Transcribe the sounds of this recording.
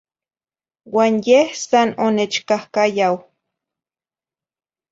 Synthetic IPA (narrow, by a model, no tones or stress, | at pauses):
waːnjehsanonet͡ʃkahkajaw